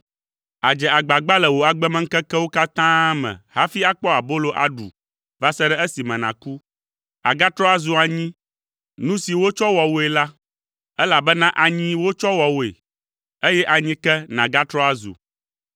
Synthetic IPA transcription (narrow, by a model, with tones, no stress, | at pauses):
a˨d͡ʒɛ˨a˨ɡ͡ba˨ɡ͡ba˦lɛ˨wo˨a˨ɡ͡bɛ˦mɛ̃˦ŋ̩˦kɛ˦kɛ˦wo˦ka˦t̪ã˦mɛ̰̃˨ha˦fi˦a˦k͡pɔ˦a˨bo˦lo˦ʔa̰˨ɖṵ˨ | va˦sɛ˦ɖɛ˦e˦si˨mɛ̃˨nã˨ku˦ | a̰˨ɡa˦t̪ɾɔ˦a˦zu˨a˨ɲĩ˦ | nũ˦si˨wo˦t͡ʃɔ˦wɔ˨wo˦e˨la˦ | ɛ˦la˨bɛ˦nã˦ʔa˨ɲĩ˦wo˦t͡ʃɔ˦wɔ˨wo˨ḛ˨ | e˦jɛ˦ʔa˨ɲĩ˦kɛ˦nã˨ɡa˦t̪ɾɔ˦a˦zṵ˨